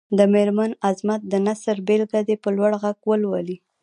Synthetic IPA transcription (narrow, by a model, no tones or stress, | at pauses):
d̪əmeɾmanazmat̪̚d̪ənasəɾbelɡad̪epəlwaɽɣaɡwəlwali